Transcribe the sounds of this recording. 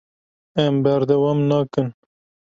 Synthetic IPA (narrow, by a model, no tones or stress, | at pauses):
ɛmbæɾd̪ɛwɑmnɑːkɨn